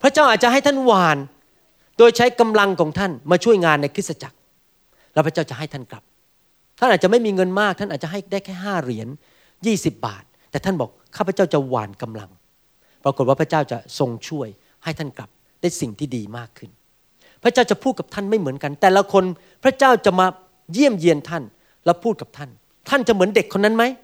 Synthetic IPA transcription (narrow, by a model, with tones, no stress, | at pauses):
pʰɾa˦˥t͡ɕaː˥˩ʔaː˨˩t̪̚t͡ɕa˨ɦa˥˩jt̪ʰa˥˩nwaː˨˩n | doː˧jt͡ɕʰa˦˥jka˧mla˧ŋkʰɔː˩˦ŋt̪ʰa˥˩nmaː˧t͡ɕʰu˥˩əjŋaː˧nːa˧jkʰɯ˦˥t̚sa˧t͡ɕa˨˩k̚ | lɛ˦˥pʰɾa˦˥t͡ɕaː˥˩wt͡ɕa˨ʔɦa˥˩t̪ʰa˥˩nkla˨˩p̚ | t̪ʰa˥˩ʔaː˨˩t̚t͡ɕa˨ma˥˩jmiː˧ŋɤ˧nmaː˥˩k̪̚ʰa˥˩ʔaː˨˩t̪̚t͡ɕa˨˩ɦa˥˩jdaː˥˩jkʰɛː˥˩ɦaː˥˩ɾi˩˦ən | jiː˥˩si˨˩p̚ba̰ː˨˩t̪̚ːɛː˨˩t̪ʰa˥˩nbɔː˨˩k̚ʰːaː˥˩pʰa˦t͡ɕa˥˩wt͡ɕa˨˩wa̰ː˨˩nka˧mla̰˧ŋ | pɾa˧ko˨˩t̪̚waː˥˩pʰa˥t͡ɕaː˥˩wt͡ɕa˨˩so˧ŋt͡ɕʰu˥˩əj | ha˥˩jt̪ʰa˥˩nkla˨˩p̚ | daː˥˩jsi˨˩ŋt̪ʰiː˥˩diː˧maː˥˩kʰːɯ˥˩n | pʰɾa˦˥t͡ɕaː˥˩wt͡ɕa˨˩pʰuː˥˩t̪̚ka˨p̚t̪ʰa˥˩nma˥˩jmɯ˩˦ənka˧nt̪ɛː˨˩la˧kʰo˧n | pʰɾa˦˥t͡ɕaː˥˩wt͡ɕa˨˩maː˧ | ji˥˩əmji˧ənt̪ʰa˥˩n | lɛ˦˥wpʰuː˥˩t̪̚ka˨˩t̪ʰa˥˩n | t̪ʰa˥˩nt͡ɕa˨˩mɯ˩˦ənde˨˩kʰːo˧nːa˦˥nma˦˥j